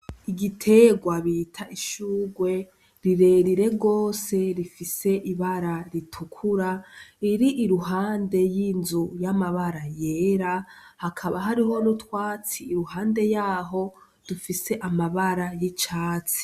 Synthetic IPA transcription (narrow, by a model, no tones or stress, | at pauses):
iɡitʰe̞ɡwaβitʰaʔiʃuːɡwe̞ | ɾiɾe̞ɾiɾe̞ɡo̞ːse̞ɾifise̞ʔiβaɾaɾitʰukʰuɾaiɾiʔiɾuɦaːnde̞jinzujamaβaɾajeːɾahakʰaβaɦaɾiho̞nutwaːt͡siːɾuɦaːnde̞jaːɦo̞ | d̥ufise̞ʔamaβaɾajit͡ʃaːt͡si̥